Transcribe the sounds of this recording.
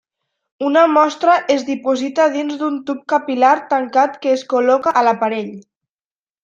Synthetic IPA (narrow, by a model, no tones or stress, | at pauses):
unəmɔst̪ɾəʔezðipuzit̪að̞inzðunt̪up̚kapilaɾt̪aŋkat̪kəːskulɔkaːlapaɾeʎ